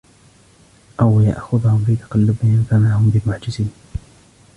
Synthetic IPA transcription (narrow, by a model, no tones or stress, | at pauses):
ʔawja̰ʔxʊðˤhʊmfiːt̪ɑ̥qɑlːʊbɪhɪnfamaʕhʊmbɪlmʊʕd͡ʒɪsiːn